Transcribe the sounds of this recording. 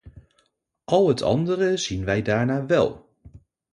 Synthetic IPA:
ʔɑlˠɦətʰɑ̰ndərəz̥inʋɛjdaːɹnaːʋɛ̰lˠ

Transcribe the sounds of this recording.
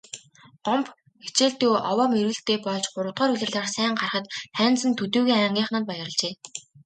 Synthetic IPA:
ɢ̥ɔmp | xe̥t͡ɕeːɮt̪uːʔɔwɔːmeɾɘ̆ːɬt̪eːpɔɮt͡ɕɢʊɾə̆wt̪ʁɔːɾuɮʲɘ̆ɮaːrsæːɴɢarχə̆t̪χæːnt͡sə̆nt̪ʰɵt̪uːɣiːŋæŋɡʲiːχnaːnpajə̆rə̆ɮt͡ɕeː

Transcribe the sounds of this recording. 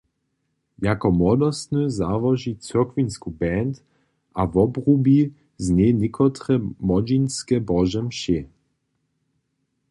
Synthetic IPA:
jakɔmwɔd̪ɔst̪nøzavɔʒit͡søɐkvinskubɛnt̪ | ʔavɔbrubi | znenɪkɔt̪ɾɛmɔd͡ʒinskɛbɔʒɛmʃe

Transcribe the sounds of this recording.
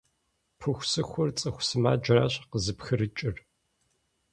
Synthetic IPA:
pʰɨxʷsɨxʷʊrt͡sʼɨxʷsɨma̰ːd͡ʒɪra̰ːɕqəzɨpxɨɾɨt͡ʃʼɪr

